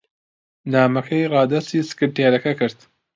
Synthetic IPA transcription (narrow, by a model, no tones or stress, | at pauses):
naːmɐkʰɐjrɑːd̪ɐst̪iːsɨ̥kɨɾteːɾɐkɐkɨɾt̪